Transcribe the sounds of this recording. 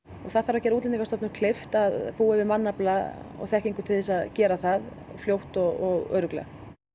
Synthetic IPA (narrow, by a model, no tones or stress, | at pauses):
ɔɣθaðθaɾvawcɛɾuːt̪lɪnikast̪ɔpnʏmkʰl̥ɪft̪aðpuːavɪmanːaplaɔ̰ɣθɛhciŋkʏɾt̪ʰɪθɛsaðcɛːɾaθað | fljowht̪ɔɣɔɣœ̰ɾʏklɛ̰